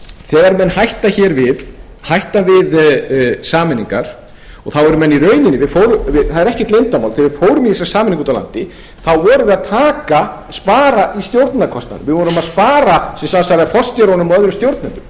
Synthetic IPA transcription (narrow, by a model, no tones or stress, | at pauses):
θɛːɣaɾmɛnːhajht̪açɛːɾvɪð | hajht̪avɪð | saːmɪniŋka̰ɾ̥ | ɔɣθawɛɾʏmːɛnːiɾœːɥnɪnːɪvɪðfoːwɾʏvɪθaðɛɾɛhcɪt̪lejnt̪ama̰wlθivɪð̥foːwɾʏmɪiɛsɾasaːmɪniŋkunt̪ala̰nt̪ɪ | θawvɔːɾʏvɪðaðt̪ʰaːkaspaːɾaʔist̪jowɾt̪nakʰɔst̪na̰nvɪðvɔɾʏmaðspaːɾasɛmsamasaɾɪafɔr̥st̪jaɾanʏmœðɾʏmst̪jowɾt̪nɛnt̪ʏm